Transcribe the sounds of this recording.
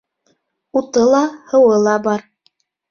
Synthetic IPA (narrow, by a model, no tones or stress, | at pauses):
ut̪ɤlˠɑhɤ̆wɤlˠɑbɑɾ